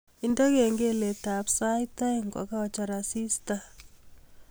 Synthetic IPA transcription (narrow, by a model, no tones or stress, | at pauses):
indɔkeŋɡeletapsajtaiŋɡɔ̰kaɔt͡ʃaɾasista